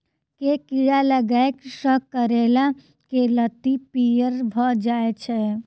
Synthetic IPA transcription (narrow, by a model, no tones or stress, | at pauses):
kekiɽaləɡaeksəkːəɾela | kelət̪ipijəɾbʱɔd͡ʒaːet͡ʃʰe